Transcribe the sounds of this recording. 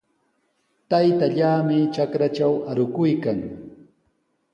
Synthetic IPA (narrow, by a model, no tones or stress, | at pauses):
t̪ajt̪aʎaːmɪt͡ʃakɾat͡ʃawaɾʊkʊjkaŋ